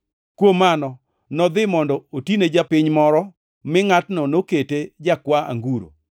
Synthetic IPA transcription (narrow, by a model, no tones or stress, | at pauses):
kwomanɔ | nɔd̪ɪmɔndɔotined͡ʒapɪɲmɔɾɔ | mɪŋatnɔnoketed͡ʒakwaa̰ŋɡuɾo̰